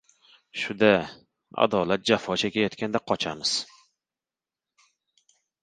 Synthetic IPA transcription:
ʃʊd̪a | a̰d̪ɒlat̪̚d͡ʒafɒt͡ʃʰakʲʰajɒt̪kʲand̪aqʰɒt͡ʃʰamɪz̥

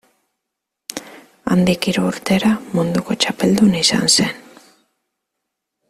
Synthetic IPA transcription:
a̰nd̪ikiɾuːɾt̪e̞ɾamund̪uko̞t͡ʃape̞ld̪unaisa̰nse̞n

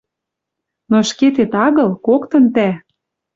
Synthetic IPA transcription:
noʃket̪et̪ɑɣɤ̆lˠkokt̪ɤ̆nt̪æ

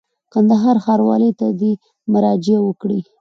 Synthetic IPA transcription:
kand̪aɦɑɾxɑɾwɑ̰lət̪ad̪i | maɾɑd͡ʒɪawəkɽi

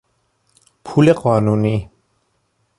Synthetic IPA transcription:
pʰulekɔːnuni

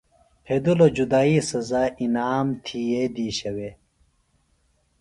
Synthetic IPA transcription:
pʰeːd̪ulod͡ʑud̪aːisɐzaːʔinaːmt̪ʰijed̪iːɕɐwe

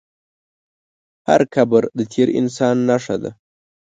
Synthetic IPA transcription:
ha̰ɾkʰabəɾd̪ət̪ʰeɾɪ̰nsɑnːaʂad̪a̰

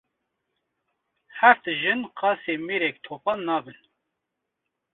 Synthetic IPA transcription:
hæft̪ʒɨnqɑːseːmeːɾɛk̚t̪ʰoːpɑnːɑːbɨn

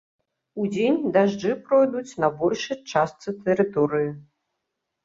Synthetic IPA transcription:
ud͡zʲenʲd̪aʐd͡ʐɨpɾɔjd̪ut͡sʲnɐbɔlʲʂɨjt͡ʂast̪sɨt̪ɛɾɨt̪ɔɾɨji

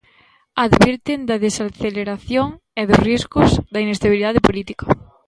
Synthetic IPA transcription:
aðβiɾt̪ɪnd̪ɐðesaθeleɾaθjoŋ | eðʊsriskʊzðɐinest̪aβiliðaðɪpolit̪ikɐ

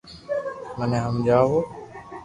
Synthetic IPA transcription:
mənẽːɦəmd͡ʒaːɦoː

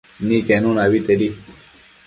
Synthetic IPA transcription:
nikenunaʋit̪eɾi

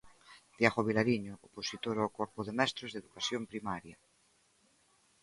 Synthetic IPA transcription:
d̪̥jaɣoβ̞ilaɾiɲooposit̪oɾoawkɔɾpoðemɛst̪ɾozðeðukasjompɾimaɾja

